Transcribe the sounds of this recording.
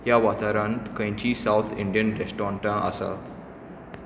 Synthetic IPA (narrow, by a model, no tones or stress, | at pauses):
jaʋat̪aɾãnt̪kə̃j̃t͡ɕiːsawt̪ʰiɳɖijənɾesʈɔɳʈãʔə̰sa̰t̪